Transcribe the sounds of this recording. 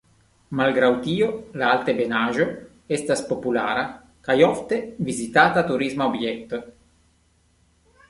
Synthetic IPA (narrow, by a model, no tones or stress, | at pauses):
malɡɾawt̪iːolaalt̪ebenaːʒo | est̪aspopula̰ːɾa | kajɔft̪evizit̪aːt̪at̪uɾizmaobjɛk̚t̪o